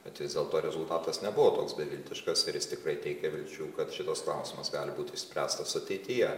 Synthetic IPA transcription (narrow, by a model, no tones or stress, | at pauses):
bʲɛt̪ʲʋʲɪzd̪ʲeːlˠt̪oːɾʲɛzʊlˠt̪ɑːt̪ɐsnʲɛbʊʋoːt̪o̰ːksbʲɛʋʲɪlʲt̪ʲɪʃkɐsɪɾjɪst̪ʲɪkɾɐɪt̪ʲɛɪkʲɛʋʲɪlʲt͡ʃʲuːkɐt̪ʃʲɪt̪ɐsklˠɑˑʊsʲɪmɐsɡɑːlʲɪbuːt̪ʲʊɪʃʲsʲpʲɾʲæːst̪ɐsʊɐt̪ʲɛɪt̪ʲɪjɛ